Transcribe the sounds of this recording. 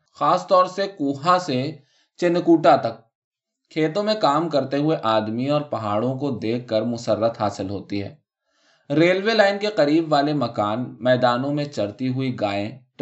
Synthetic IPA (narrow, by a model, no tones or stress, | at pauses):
xaːst̪ɔːɾsekuːɦãse | t͡ʃɪnkuːʈat̪ɐk̚ʰː | eːt̪õmẽkaːmkɐɾt̪eɦʊeʔaːd̪miɔːɾpɐɦaːɽõkod̪eːkːəɾmʊsəɾːət̪ɦaːsɪlɦoːt̪iɦɛ̰ː | ɾeːlʋelaːɪnkeqɐɾiːbʋaːlemɐkaːnmɛːd̪aːnõmẽt͡ʃɐɾt̪iɦʊiɡaːẽʈ